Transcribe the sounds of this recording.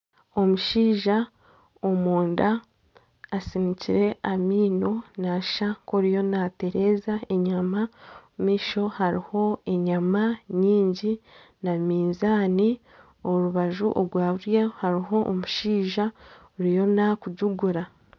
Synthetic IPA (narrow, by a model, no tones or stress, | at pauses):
o̞muʃiːʒa | omuːndaː | siniciɾe̞ʔamiːno̞naʃakoɾijo̞nate̞ɾezaeɲamamiːʃo̞haɾiho̞e̞ɲamaɲiːɲɟi | namiːnzaːni | oɾuβaʒuʔoɾɡwaːβuɾjehaɾiɦo̞ʔːmuʃiːʒaoɾijo̞nakuɟuɡuɾa